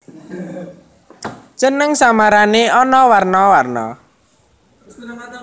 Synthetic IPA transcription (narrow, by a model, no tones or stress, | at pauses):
t͡ʃənəŋsamaɾaneɔnɔwarnɔwarnɔ̰